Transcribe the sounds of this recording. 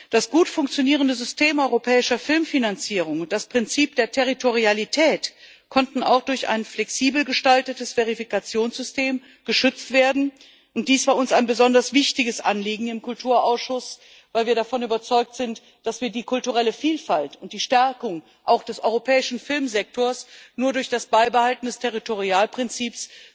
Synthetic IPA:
d̥asɡ̥uːtfʊŋkt͡sjoniːʁ̞əndəzʏstʰeːmʔɔʏʁopʰɛːɪʃɐfɪlmfinant͡siːʁ̞ʊŋʊnt̚d̥aspʁ̥ɪnt͡siːp̚d̥eːɐtʰɛʁ̞itoʁ̞ialitʰɛːt | kʰɔntn̩a̰ʊxd̥ʊɐça̰ɪnflɛksiːbl̩ɡəʃtaltətəsv̥eʁifikat͡sjoːnsz̥ʏsteːm | ɡ̥əʃʏt͡stv̥eːɐdn̩ | ʔʊntd̥iːsv̥aːɐʊnsaɪnbəzɔndɐsv̥ɪçtɪɡəsʔa̰nliːɡŋ̩ɪmkʰʊltʰuːɐʔaʊsʃʊs | v̥aɪlviːɐɾafɔnyːbɐt͡sɔʏk̚tz̥ɪnt | d̥asv̥iːɐdiːkʰʊltuʁɛləfiːlfaltʊnt̚d̥iːʃtɛɐkʊŋ | ʔaʊxd̥ɛsʔɔʏʁopʰɛːɪʃn̩fɪlmzɛk̚tʰoːɐsnuːɐdʊɐçd̥asb̥aɪbəhaltn̩dɛstʰeʁitoʁiaːlpʁ̥ɪnt͡siːps

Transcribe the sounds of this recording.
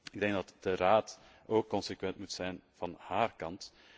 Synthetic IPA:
ɪɡ̚dɛŋɡdɑtd̥əraːt | oːkːɔnsekʋɛntmutsɛjnv̥ɑnhaːrkɑnt

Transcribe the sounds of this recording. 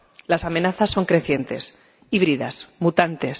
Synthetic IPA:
lasamẽ̞naθasːo̞ŋkɾe̞θje̞nt̪e̞̰s | iβɾiða̰smut̪ant̪e̞s

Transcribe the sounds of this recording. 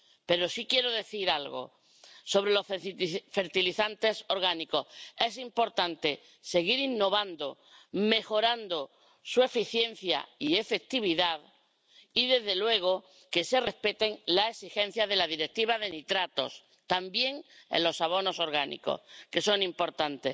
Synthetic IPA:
pe̞ɾo̞sikje̞ɾoðe̞θiɾalɣo̰ | so̞βɾelo̞fe̞ɾt̪iliθant̪e̞so̞ɾɣaniko̞he̞s̬impo̞ɾt̪ant̪e̞ | se̞ɣiɾinːo̞β̞and̪o | me̞xo̞ɾand̪o | sue̞fiθje̞n̟θja̰iefe̞k̚t̪iβ̞iðað | iðe̞zðe̞lwe̞ɣ̞o | ke̞se̞re̞spe̞t̪e̞ŋlaesixẽ̞n̟θjaðe̞laðiɾe̞k̚t̪iβ̞aðe̞nit̪ɾat̪o̞̰s | t̪ambje̞ŋḛlo̞saβ̞o̞no̞so̞ɾɣanḭko̞̰hke̞so̞nĩmpo̞ɾt̪ant̪e̞s

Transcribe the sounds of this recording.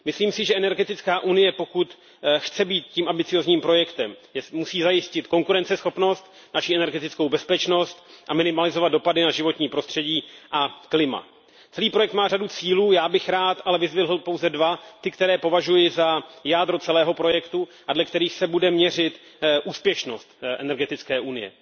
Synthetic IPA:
mɪsliːmsɪʒɛʔɛnɛɾɡɛt̪ɪt͡skaːʔunɪjɛpo̞kut̪ | xt͡sɛbiːt̪ciːmʔambɪt͡sɪjo̞ːzɲiːmpɾo̞jɛkt̪ɛmmusiːzajɪscɪt̪ko̞ŋkuɾɛnt͡sɛsxo̞pno̞st̪ | naʃiʔɛnɛɾɡɛt̪ɪt͡sko̞wbɛspɛt͡ʃno̞st̪ʔamɪnɪmalɪzo̞vad̪do̞padɪnaʒɪvo̞t̪ɲiːpɾo̞st̪r̝̥ɛɟiːʔaklɪma̰ | t͡sɛliːpɾo̞jɛkt̪maːradut͡siːluːjaːbɪxɾaːt̪ʔalɛvɪzvɪɦl̩po̞wzɛdvat̪ɪkt̪ɛɾɛːpo̞vaʒujɪzajaːd̪ɾot͡sɛlɛːɦo̞pɾo̞jɛkt̪uʔadlɛkt̪ɛɾiːxsɛbudɛmɲɛr̝ɪt̪ | ʔuːspjɛʃno̞st̪ʔɛnɛɾɡɛt̪ɪt͡skɛːʔunɪjɛ̰

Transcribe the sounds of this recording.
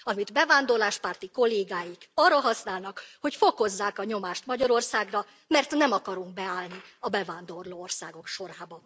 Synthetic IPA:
ɒmid̪bɛvaːnd̪o̞rlaːʃpaːrt̪iko̞lːeːɡaːjikɒrːɒɦɒsnaːlnɒkho̞cfo̞ko̞zːaːkɒɲo̞maːʃt̪mɒɟɒɾo̞rsaːɡrɒ | mɛrt̪nɛmɒkɒɾuŋɡ̚bɛaːlniɒbɛvaːnd̪o̞rloːorsaːɡo̞kʃo̞ɾaːbɒ

